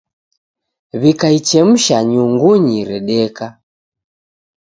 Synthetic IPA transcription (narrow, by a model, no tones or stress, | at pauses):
βikait͡ʃɛm̩ʃaɲuŋɡuɲiɾɛɗɛka